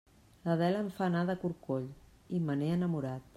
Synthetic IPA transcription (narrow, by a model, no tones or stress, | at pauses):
ləðɛləɱfanaðəkuɾkoʎ | iməneənəmuɾat̪̚